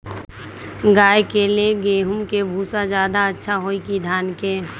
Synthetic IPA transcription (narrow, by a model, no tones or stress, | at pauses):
ɡaːjkeleɡeːɦʊmkebʱuːsad͡ʒjaːd̪aətːʃʰaɦoːikid̪ʱaːnke